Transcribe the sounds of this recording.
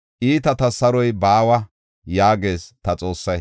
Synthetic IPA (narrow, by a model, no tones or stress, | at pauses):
ʔiːt̪ɐt̪ɐsɐɾɔjbaːwɐ | jaːɡe̞ːst̪ɐt͡sʼo̞ːsːɐj